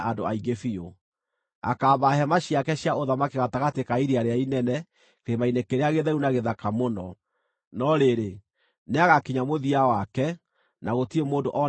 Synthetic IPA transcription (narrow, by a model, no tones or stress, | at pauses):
ʔadoaiɡefio | a̰kaːβaɦɛmaɕjakɛɕjaoðamakeɣataɣatekaiɾiaɾeainɛnɛ | keɾemainekeɾeaɣeðɛɾunaɣeðakamonɔ | nɔɾeɾe | neaɣakiɲamoðiawakɛ | naɣotiemoːndoʔɔ